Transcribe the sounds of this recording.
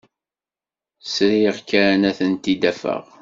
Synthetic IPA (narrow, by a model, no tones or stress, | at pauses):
sɾiʁkːæɾænæθənt̪id̪æfə̰ʁ